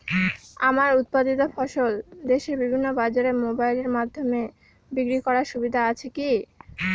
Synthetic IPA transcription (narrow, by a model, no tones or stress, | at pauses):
amaɾut̪̚pad̪it̪̬ofɔʃold̪eʃeɾbibʱinːobad͡ʑaɾemobajleɾmad̪ʱːome | bikɾikɔɾaɾʃubid̪ʱaat͡ɕʰeki